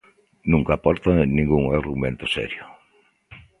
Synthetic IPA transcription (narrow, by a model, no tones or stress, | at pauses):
nũŋkapɔɾt̪aŋenĩŋɡuŋaɾɣumẽnt̪ʊ̥sɛ̰ɾjo